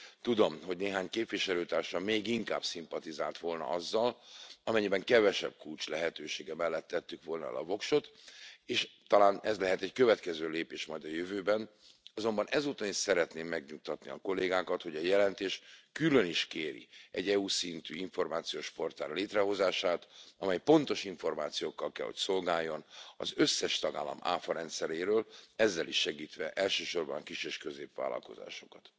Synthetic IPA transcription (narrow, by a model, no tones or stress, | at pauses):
t̪ud̪o̞mɦo̞ɟneːɦaːɲkeːpʋiʃɛløːt̪aːrʃɒmeːɡiŋka̰ːbsimpɒt̪izaːlt̪ʋo̞lnɒ̰ʔɒzːɒlɒmɛɲːibɛŋkɛvɛʃɛ̰b̥̚kult͡ʃlɛɦɛt̪øːʃeːɡɛmɛlːɛt̪ːɛt̪ːykʋo̞lnɒ̰ɛ̰lɒ̰vo̞kʃo̞t̪eːʃt̪ɒlaːnɛzlɛɦɛt̪ɛɟkøvɛt̪kɛzøːleːpeːʃmɒjd̪ɒjøvøːbɛn | ɒzo̞mbɒnʔɛzuːt̪ɒniʃsɛɾɛt̪neːmːɛɡɲuk̚t̪ɒt̪nḭɒ̰ko̞lːeːɡaːkɒt̪ho̞ɟɒjɛlɛnt̪eːʃkylø̞niʃkeːɾḭɛɟɛuːsint̪yːiɱfo̞rmaːt̪sijoːʃfo̞rt̪a̰ːrleːt̪rɛɦo̞zaːʃaːt̪ɒmɛjpo̞nt̪o̞ʃiɱfo̞rmaːt̪sijoːkːɒlkɛ̰lho̞̰cso̞lɡaːjːo̞nɒ̰zøsːɛʃt̪ɒɡa̰ːlːɒ̰ma̰ːfɒɾɛnt̪sɛɾeːɾøːlɛzːɛliʃːɛɡiːt̪ʋɛʔɛlʃøːʃo̞rbɒ̰nɒkiʃeːʃkøzeːpʋa̰ːlːɒ̰lko̞̰za̰ːʃo̞kɒt̪